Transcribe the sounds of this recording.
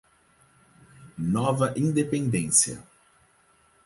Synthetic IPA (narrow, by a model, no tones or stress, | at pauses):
nɔvɐʔĩnd̪epẽnd̪ẽsiɐ̰